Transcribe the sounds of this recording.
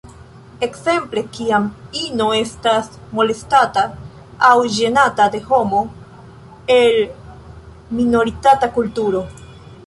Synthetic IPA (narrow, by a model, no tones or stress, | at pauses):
e̞kse̞mple̞kiamino̞e̞stasmo̞le̞stataː | wʒe̞natade̞ho̞mo̞ | e̞l | mino̞ɾitatakultuɾo̞